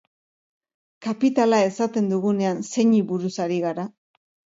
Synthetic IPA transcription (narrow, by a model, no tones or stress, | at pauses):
kapit̪alae̞sat̪e̞nd̪uɣune̞anse̞ɲiβuɾusaɾiɣaɾa